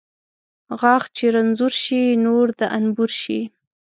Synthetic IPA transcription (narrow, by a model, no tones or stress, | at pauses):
ɣɑxt͡ʃeɾanzuɾʃinoɾd̪aʔanbuɾʃḭ